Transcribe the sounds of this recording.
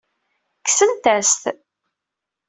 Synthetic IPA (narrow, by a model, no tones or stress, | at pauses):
ksənt̪æst̪